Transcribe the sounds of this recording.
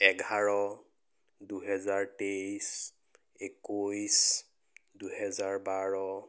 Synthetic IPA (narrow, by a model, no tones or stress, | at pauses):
ɛɡʱaɹɔ | duɦɛzaɹtejs | ekojs | duhɛzaɹbaɹɔ